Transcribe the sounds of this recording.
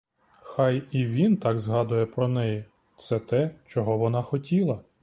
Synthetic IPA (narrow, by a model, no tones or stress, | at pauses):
xɑjiʋʲint̪ɑɡzɦɑd̪ʊjɛpɾɔnɛji | t̪sɛt̪ɛt͡ʃɔɦɔʋɔnɑxɔtʲilˠɐ